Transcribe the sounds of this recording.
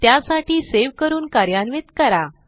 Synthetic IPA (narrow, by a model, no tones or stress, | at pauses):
t̪jasaʈiːseʋkəɾuːnkaɾjanʋet̪kəɾa